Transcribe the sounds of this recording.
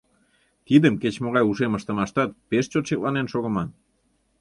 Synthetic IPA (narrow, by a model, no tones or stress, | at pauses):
t̪id̪əmket͡ɕmoɣɑjuʃeməʃt̪ə̆mɑʃt̪ɑt̪̚peʃt͡ɕot̪ɕeklɑnenʃoɣə̆mɑn